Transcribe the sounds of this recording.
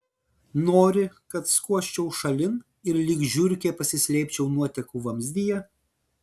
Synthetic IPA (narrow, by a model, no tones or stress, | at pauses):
noːɾʲɪkɐt̪skuɔʃʲt͡ʃʲɛʊʃɐlʲɪn | ɪɾlʲiːɡʒʲʊɾʲkʲeːpɐsʲɪsʲlʲɛɪpʲt͡ʃʲɛʊnuɔt̪ʲɛkuːʋɐmʲzʲd̪ʲɪjɛ